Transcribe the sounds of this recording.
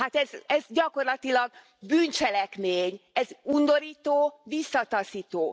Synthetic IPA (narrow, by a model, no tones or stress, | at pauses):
hat̪ɛzɛzɟɒko̞rlɒt̪ilɒɡ̚ | byːnt͡ʃɛlɛkmeːɲɛzund̪o̞ɾiːt̪oːvisːɒt̪ɒsiːt̪oː